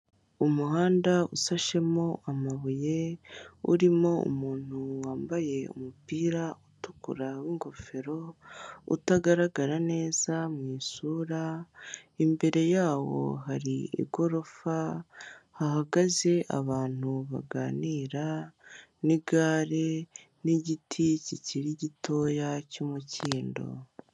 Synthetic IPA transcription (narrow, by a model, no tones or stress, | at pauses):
umuhaːndausaʃe̞mo̞ʔamaβuje̞ṵɾimo̞ṵmuːn̥uwaːmbaje̞ṵmupiːɾautukṵɾawiŋɡo̞fe̞ɾo̞ṵtaɡaɾaɡaɾane̞ːzamŋiːsuːɾa | imbe̞ɾe̞jaːwo̞̰ɦaɾiḭɡo̞ɾo̞fa | hahaɡaze̞ʔa̰βaːn̥huβa̰ɡa̰ːniːɾa | niɡaːɾe | niɟitʰiciciɾiɟito̞jacumuciːndo̞̰